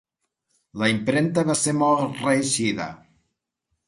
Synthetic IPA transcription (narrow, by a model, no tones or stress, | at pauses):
lɐimpɾent̪aβaseɾmɔlˠt̪reʃiðə̰